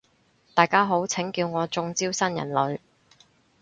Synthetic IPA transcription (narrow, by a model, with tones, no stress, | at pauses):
t̪aː˨˩jkaː˥ɦo˨˥wt͡sʰɪ˨˥ŋkiː˧wŋɔː˨˧t͡sʊ˧ŋt͡siː˥wsɐ˥njɐ̰˨˩nlɵ˨˧ɥ